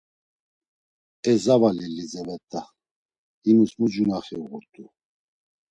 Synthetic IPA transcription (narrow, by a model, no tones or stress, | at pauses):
ɛzavalilːizɛvɛt̪ʼːa | inusmud͡ʒunaχɛuɣuɾt̪ʰʼu